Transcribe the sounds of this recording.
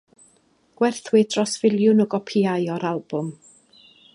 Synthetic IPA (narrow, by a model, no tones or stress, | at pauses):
ɡ̥wɛrθwɪd̥rɔsv̥ɪlˠjʊnɔɡɔpʰiajɔɾalˠb̥ʊm